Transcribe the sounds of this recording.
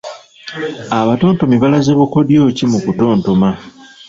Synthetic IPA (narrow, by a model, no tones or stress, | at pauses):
aβato̞ːnto̞miβalazeβukodjo̞cimukuto̞ːnto̞ma